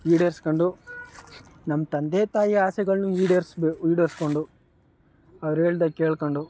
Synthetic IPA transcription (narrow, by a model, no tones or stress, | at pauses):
iːɖɐɾskoɳɖu | nɐmːɐt̪ɐnd̪eːt̪aːjiaːsɛɡɐɭnuiːɖɐɾsbeiːɖɐɾsko̞ɳɖu | ɐʋɐɾe̞ːɭid̪ɐkːeːɭkoɳɖu